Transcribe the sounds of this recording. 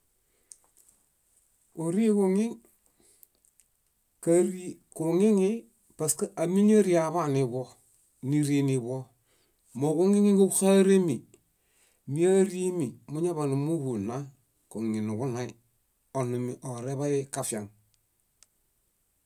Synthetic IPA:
u˨ɾi˦ku˦˨ŋi˦ŋ | ka˦ɾi˦ku˨ŋi˦ŋi˦ | pa˨ska˨mi˦ɲa˦ɾi˦a˨βa˦ni˨bo˦ | ni˦ɾi˦ni˨βo˦ | mo˨ku˦ŋi˦ŋi˦ku˦ka˦ɾe˦mi˨ | mi˦a˦ɾi˦mi˨mu˦ɲa˦βa˨nu˨mu˦ɡu˨na˦ | ku˨ŋi˨nu˨ɡu˦na˨i˦ | o˨nu˨mi˨ʔo˨ɾe˦βa˦i˦ka˨fi˨a˨ŋ

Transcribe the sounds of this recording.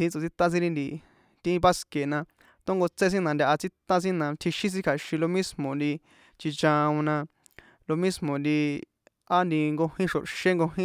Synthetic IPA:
ĩ˧˦t͡so˨t͡si˧t̪ã˦˧s̬ĩ˦˧ɾi˧nd̪i˨ | t̪ĩ˦pa˦ske˨nã˧ | t̪õ˦ŋɡo˧t͡se˦s̬ĩ˦nã˧nd̪ʲa˧ʔa˧t͡si˦t̪ã˦s̬ĩ˦nã˧t̪ʰi˧ʃĩ˦s̬ĩ˦˧kʰa˨ʃĩ˧lo˧mĩ˦smõ˨nd̪i˧ | t͡ʃi˧t͡ʃã˧ũ˧nã˧ | lo˧mĩ˦smõ˨nd̪i˧ | a˦nd̪i˧ŋɡo˧hĩ˦ʃo̰˨ʃe˦ŋɡo˧ɦĩ˦

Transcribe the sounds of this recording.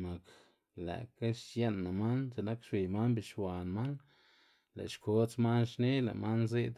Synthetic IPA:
ma˨k | lḛ˨ka˦ʃje˦nːa˨ma˦nt͡ʃe˨na˦kʃwi˨jma˦nbi˨ʃwa˨nma˦n | la̰˨ʃkʰo˦t͡sma˦nʃne˦la̰˨ma˦nnzi˦d̪

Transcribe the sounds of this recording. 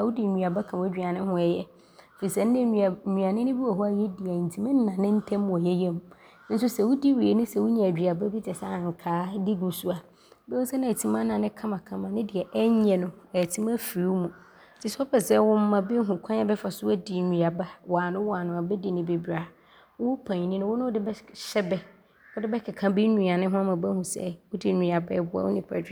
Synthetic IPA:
a˨wʊ˦di˨ɲĩ˨a˨ba˦kʰã˨wɛ˦d͡ʑᶣa˨nɪ̃˦hʊ̃˦ɛ˨jɛ˦ | fi˨sã˨n̩˦nɪ̃˦˨ĩ˨a˨nɪ̃˦nɪ̃˦bi˦wa˨ɦu˦a˦jɛ˦di˨a˨n̩˨tʰi˨mɪ̃˦n̩˦nã˨nɪ̃˦n̩˦tʰɛ̃˦m˦˨ɔ˨jɛ˦jɛ̃˦m | n̩˦sʊ˦sɛ˨wʊ˦di˦ɥi˨e˨nʊ̃˦sɛ˨wʊ˦ɲã˨d͡ʑᶣi˨a˨ba˦bi˦d͡ʑɛ˨sa˦˨ŋ˨kʰaː˨˦di˦ɡu˨su˦a˨ | bɛ˦ʊ̃˦sɛ˦nɪ̃˦˨tʰi˦mã˦nã˨nɪ̃˦kʰã˦mã˨kʰã˦mã˨nɪ̃˦di˨ɛ˨ʔɛ˦ɲɛ̃˨nʊ̃˨ɛ˨tʰi˦mã˦fi˨ɾu˦mũ˨˦ | tʰi˦sɔ˦pʰɛ˨sɛ˦wʊ̃˦mː˦ã˨be˦ɦũ˨kʷʰã˦ɲ˦a˦bɛ˦fa˨sʊ˦ɛ˦di˨nũ˨a˨ba˦wa˨nʊ̃˦wa˨nʊ̃˨a˨bɛ˦di˨nɪ̃˨be˨bɾa˨ | wʊ˦ʊ˦pʰã˨ɲ˨nĩ˦nʊ̃˦wʊ˦nʊ̃˦ʊ˦dɪ˦bɛ˦ɕɛ˦bɛ˦ | wʊ˦dɪ˦bɛ˦kʰɛ˨kʰã˦bi˦nũ˨a˨nɪ̃˦ɦʊ̃˦ã˦mã˨bɛ˦hũ˨sɛ̰˦wʊ˦di˦nũ˨a˨bɛ̰˦bʊ˨˦a̰˨˦wʊ̰˦nĩ˦pʰa̰˨dᶣ

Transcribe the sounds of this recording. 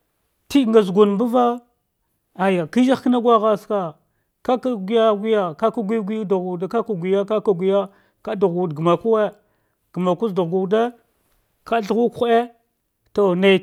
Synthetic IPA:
ti˦ŋɡa˨zɡu˨n˨mbu˦va˦ | a˨ja˨ki˦d͡ʒa˦kə˦na˦ɡʷa˦ɣa˦ska˨ | ka˦ka˦ɡi˦ja˦ɡʷi˦ja˨ka˦ka˦ɡʷi˦ɡʷi˦jdu˨ɡu˨da˨ka˦ka˦˨ɡʷi˨ja˦ka˦ka˨ɡʷi˨ja˦ | ka˦du˨ɣɡu˨dɡma˨ku˦we˦ | ɡ̥ə˨ma˨ku˦zda˨ɣɡu˨de˦ | kʰa˦ɬɣu˦kxe˦ | to˨na˨

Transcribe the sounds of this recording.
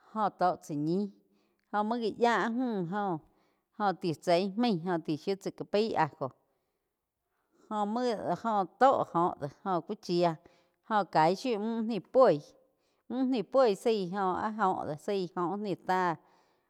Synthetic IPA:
hõ˧t̪o˧˨ʔt͡sə˨ɲĩ˦ | hõ˧˨mə̃˦ɣi˧jaː˦ʔɦũː˦˧˨ɦõ˧ | hõ˧˨t̪i˨t͡se˧˨jhmẽ˦˧˨ɦõ˧t̪i˨ʃju˦t͡sə˨ka˨pi˦a˧˨ko˨ | hõ˧mə̃˦˧˨hõ˧t̪o˦ʔhõ˨ʔd̪e˨hõ˧kʷi˦t͡ʃi˧a˧ | hõ˧˨ka˨jʃu˦ʔmũ˦ʔnĩ˧pwe˦˧˨j | mũ˦ʔnĩ˧˨pwe˦˨jsi˧˨ɦõ˧ʔa̰˦ɦõː˧˨ʔd̪e˨si˦˧˨hõ˧˨ʔnĩ˧˨t̪a˦

